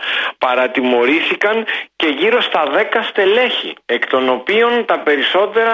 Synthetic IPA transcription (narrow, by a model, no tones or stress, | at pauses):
pɐɾɐt̪imo̞ɾiθikɐŋce̞ʝiɾo̞st̪ɐðe̞kɐst̪e̞le̞çḭe̞kt̪o̞no̞pio̞nt̪ɐpe̞ɾiso̞t̪e̞ɾɐ